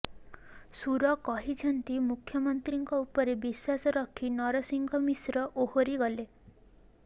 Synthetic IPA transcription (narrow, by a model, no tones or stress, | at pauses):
suɾɔkɔɦit͡ʃʰɔnt̪imukʰːjɔmɔnt̪ɾiŋkɔupɔɾebiswasɔɾɔkʰinɔɾɔsiŋɡʱɔmisɾɔʔohoɾiɡɔle